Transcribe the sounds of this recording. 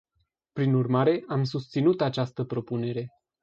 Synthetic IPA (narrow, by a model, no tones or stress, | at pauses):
pɾinurmaɾe̞ʔamsust̪sinut̪at͡ʃast̪əpɾo̞pune̞ɾe̞